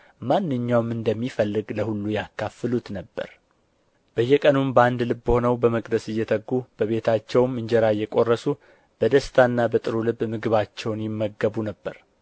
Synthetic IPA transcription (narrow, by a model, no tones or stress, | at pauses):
manːɨɲːawmɨnd̪əmːifəlːɨɡləhulːujakːafɨlut̪nəbːə̰ɾ | b̥əjːɛkʼənumbəand̪lɨbːəho̞nəwbəməkʼd̪əsɨjːɛt̪ʰəɡːub̥əβe̞t̪ʰat͡ʃːɛwmːɨɲd͡ʒɛɾajːɛkʼo̞rːəsu | b̥əd̪əst̪ʰanːabət̪ʼɨɾulɨbmɨɡɨβat͡ʃːɛwnjɪmːəɡːəβunəbːəɾ